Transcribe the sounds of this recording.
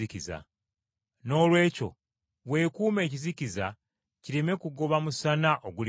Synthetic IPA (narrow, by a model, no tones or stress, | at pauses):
ikiza̰ | no̞ːlwe̞ːco̞̰ | βwe̞ːkuːme̞ːc̬iziciza | ciɾeme̞kuɡo̞βamusanaʔoɡuli